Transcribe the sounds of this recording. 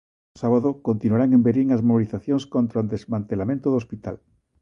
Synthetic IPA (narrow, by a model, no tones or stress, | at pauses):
saβaðokont̪inuwaɾaŋembeɾiŋazmoβiliθaθjoŋskont̪ɾoand̪ezmãnt̪elamẽnt̪oðospit̪a̰l